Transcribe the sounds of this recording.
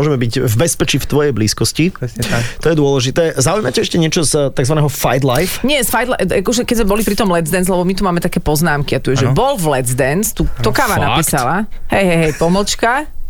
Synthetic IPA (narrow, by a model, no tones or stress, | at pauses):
ɔʒɛmɛbiɟvbɛspɛt͡ʃift̪ʋɔjɛjbliːskɔscit̪ɔjɛd̪ʊɔlɛʒit̪ɛːzaujmacɛɛʃcɛɲɪɛt͡ʃɔst̪aɡzʋanɛːɦɔfajd̪lajfɲɪɛsfajd̪laakɔʒɛkɛɟzmɛbɔlipɾit̪ɔmlɛzd̪ɛnzlɛbɔmit̪umaːmɛt̪akɛːpɔznaːmkiat̪uɛʒɛbɔlvlɛdzd̪ɛnst̪uːt̪ɔkaːʋanappiːsalahɛjɦɛjɦɛjpɔml̩t͡ʃka